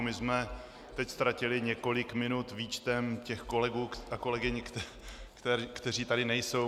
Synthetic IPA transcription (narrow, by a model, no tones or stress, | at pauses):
mɪzmɛ | t̪ɛcst̪ɾacɪlɪɲɛko̞lɪkmɪnut̪viːt͡ʃt̪ɛmcɛxko̞lɛɡuːako̞lɛɡɪɲ | t̪ɛkt̪ɛr̝iːt̪adɪnɛjso̞w